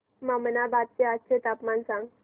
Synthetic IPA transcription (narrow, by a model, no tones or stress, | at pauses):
mamənabat̪̚t͡ɕeat̪̚t͡ɕet̪apmansãŋɡ